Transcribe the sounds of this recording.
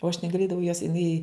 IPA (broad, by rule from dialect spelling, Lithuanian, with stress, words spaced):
oː ɐʃ nʲɛɡɐˈlʲeːdɐʋɐʊ joːs jɪˈnɐɪ